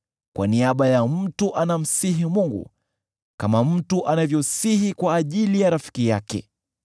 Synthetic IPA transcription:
kwʔa̰niaɓajam̩tuʔanam̩siɦimuŋɡṵ | kamam̩tuʔanavjɔsihikwaːʄilijaɾafi̥kijakɛ̰

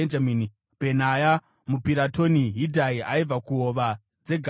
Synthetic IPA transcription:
end͡ʒamini | pe̞naja | mupiɾato̞niɦidʱaiaib͡vakuoʋa | d͡ze̞ɡʱ

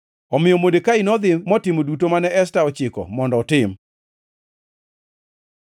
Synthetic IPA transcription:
ɔmɪjɔmodekainɔd̪ɪmɔtɪmodutomanɛʔɛstaɔt͡ʃɪkɔ̰mɔndɔːtɪm

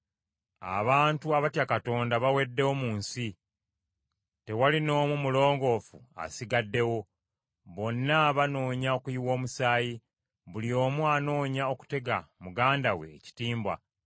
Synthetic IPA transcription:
a̰βaːntuaβatjakato̞ːndaβawe̞dːe̞womuːnsi | te̞walino̞ːmumulo̞ːŋɡo̞fua̰siɡadːe̞wo̞ | βo̞nːaβano̞ːɲao̞kujiwo̞ːmusaːji | βulio̞ːmwano̞ːɲao̞ku̥te̞ɡamuɡaːndawe̞̰ːci̥tiːmbwa̰

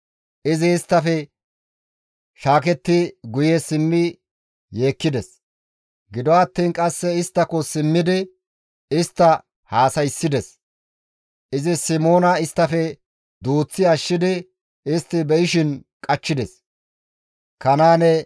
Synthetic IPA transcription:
ɪzɪːst̪ːɐfɛ | ʃaːk̬ɛt̪ːɪɡʊjɛsɪmːɪ | je̞ːkːɪd̪ɛs | ɡɪd̪ɔɐt̪ːiːnkʼɐsːɛɪst̪ːɐkɔsɪmːɪd̪ɪ | ɪst̪ːɐ | haːsɐjsːɪd̪ɛs | ʔɪzɪsɪmo̞ːnɐɪst̪ːɐfɛ | d̪uːt͡sːɪɐʃːɪd̪ɪ | ɪst̪ːɪbɛjɪʃɪn | kʼɐt͡ʃːɪd̪ɛs | kɐnaːnɛ

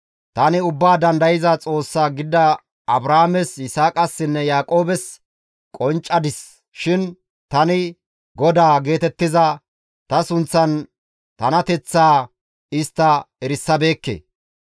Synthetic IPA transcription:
t̪ɐnɪʊbːaːd̪ɐnd̪ɐjɪzɐt͡sʼo̞ːsːaːɡɪd̪ːɐ | ɐbɾaːmɛsɪsaːkʼɐsːɪnːɛjaːkʼo̞ːbɛs | kʼɔnt͡ʃʼːɐd̪ɪs | ʃɪn | t̪ɐnɪ | ɡɔd̪aːɡe̞ːt̪ɛt̪ːɪzɐ | t̪ɐsʊnt͡sːɐn | t̪ɐnɐt̪ɛt͡sːaː | ɪst̪ːɐɛɾɪsːɐbe̞ːkːḛː

